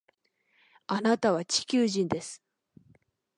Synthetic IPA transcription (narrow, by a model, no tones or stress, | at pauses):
anat̪aβ̞at͡ɕi̥kʲɨːʑĩnd̪e̞sɨ̥